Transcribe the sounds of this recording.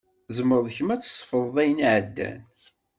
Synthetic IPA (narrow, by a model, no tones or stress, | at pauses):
zməɾðˤçəmæt͡sːsˤfəðˤðˤæjənʕəd̪ːæ̰n